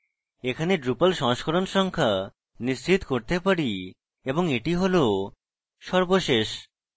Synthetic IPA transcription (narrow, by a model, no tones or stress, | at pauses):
ekʰaneɖɾupalʃɔŋʃkʰoɾonʃɔŋkʰa | nist͡ɕʰit̪koɾt̪epaɾi | eboŋeʈiɦolo | ʃɔɾboʃeʃ